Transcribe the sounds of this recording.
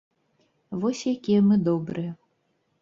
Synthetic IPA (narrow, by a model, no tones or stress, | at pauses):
vɔsʲjakʲiɛmɨd̪ɔbɾɨjə